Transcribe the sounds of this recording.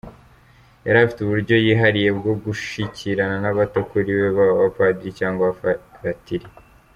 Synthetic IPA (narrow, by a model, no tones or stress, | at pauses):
jaɾafi̥tuβuɾɟo̞jiːɦaɾije̞bɡo̞ɡuʃicʰiɾananaβatokuɾiβeβaβafadiɾicaːŋɡaβafaɾatiɾi